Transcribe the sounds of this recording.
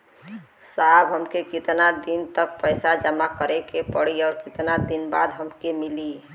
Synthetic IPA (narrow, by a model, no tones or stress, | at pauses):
sabɦəmkekit̪nad̪int̪ək̚pəɪsad͡ʒəmakəɾekepəɽiɔːɾkit̪nad̪inba̰d̪ɦəmkemili